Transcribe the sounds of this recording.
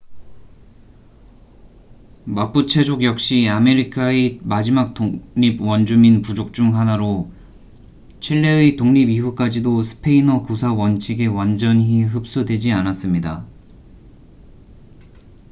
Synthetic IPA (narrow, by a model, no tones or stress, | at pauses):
map͈ut͡ɕʰe̞d͡ʑoɡjʌk̚ɕ͈iame̞ɾikʰaemad͡ʑimak̚t͈oɲibwʌnd͡ʑuminpud͡ʑok̚t͡ɕ͈uŋɦanaɾo | t͡ɕʰiɭːeɯitoŋɲibiɸuk͈ad͡ʑidosʰɯ̥pʰe̞inʌkusʰawʌnt͡ɕʰiɡe̞wand͡ʑʌniɦɯp̚s͈udwe̞d͡ʑianas͈ɯmɲida